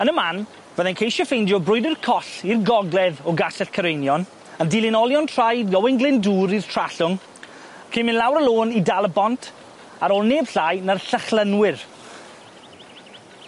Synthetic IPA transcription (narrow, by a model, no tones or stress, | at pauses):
ənəman | vəðɛnkʰejʃɔfejndjɔbrʊɨdɪrkʰɔɬirɡɔɡlˠɛðɔɡasɛɬkʰəɾejnjɔn | əndɪlˠɪnɔlˠjɔntʰrajdjɔwɪŋɡlɪnduːɾir̥tʰr̥aɬʊŋ | kʰeːmɪnlˠawɾəlˠoːnidalˠəbɔntʰ | aɾoːlˠneːb̥ɬajnərɬəχlˠənwɪr